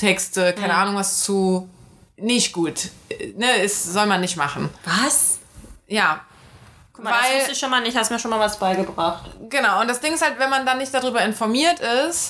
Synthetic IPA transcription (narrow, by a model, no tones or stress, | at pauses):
tʰɛkstəkʰaɪnəʔaːnʊŋvast͡su | nɪçt̚ɡ̥uːtnəɪsz̥ɔlmanːɪçtma̰χn̩vas | jaː | vaɪʊlsɪʃonmaːlnɪçhastumiɐʃoːnmaːlvasb̥aɪɡəbʁaχtɡ̥ənaʊʊntd̥asd̥ɪŋɪshaltv̥ɛnmandanːɪçt̚d̥adʁyːbɐɪnfɔɐmiːɐtɪst